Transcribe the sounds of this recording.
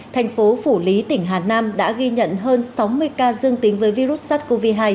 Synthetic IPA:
t̪ʰɛ˨˩jŋ̟fo˨˦fu˧˩li˨˦t̪ï˧˩ŋ̟ɦaː˨˩naː˧mɗa̰ː˧˥ɣi˧ɲə̰˧˨nɦəː˧nsa˨˦wmɨ˧əjkaː˧zɨ˧əŋt̪ï˨˦ŋvəː˨˦jvi˧ɾu˦˥t̚saː˦˥t̚ko˧vi˧ɦaː˧j

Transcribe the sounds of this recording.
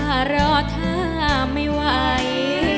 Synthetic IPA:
aː˧˩ɾɔː˧˩kʰa˧˥˩ | ma˥˩jwa˧˩˧j

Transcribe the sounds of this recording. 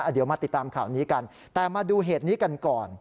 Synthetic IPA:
ʔa˧˩di˩˦wmaː˧i˨˩t̪ːaː˧mkʰaː˨˩˦wniː˦˥ka˧n | t̪ɛː˨˩maː˧duː˧ɦeː˨˩t̪̚niː˦˥ka˧nkɔː˨˩n

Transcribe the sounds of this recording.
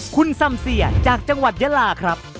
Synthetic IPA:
kʰu˧nsa˧msi˨˩ət͡ɕaː˨˩k̚t͡ɕa˧ŋwa˨˩t̪̚ja˦˥laː˧kʰɾa˦˥p̚

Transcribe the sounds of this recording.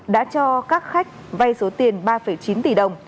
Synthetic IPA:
ɗa̰ː˧˥t͡ɕɔ˧kaː˦˥k̚xa˦˥jk̟̚va˧jso˨˦t̪i˨˩ənɓaː˧fə˧˩jt͡ɕi˨˦nt̪i˧˩ɗə˨˩wŋ͡m

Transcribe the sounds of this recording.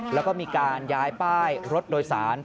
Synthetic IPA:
lɛː˦˥wkɔː˥˩miː˧kaː˧njaː˦˥jpaː˥˩jɾo˦˥t̪̚doː˧jsaː˩˦n

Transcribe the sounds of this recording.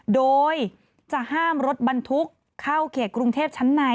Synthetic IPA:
doː˧j | t͡ɕa˨˩ʔhaː˥˩mɾo˦˥t̪̚ba˧nt̪ʰu˦˥kʰːa˥˩wkʰeː˨˩t̪̚kɾu˧ŋt̪ʰeː˥˩p̚t͡ɕʰa˦˥nːa˧˥

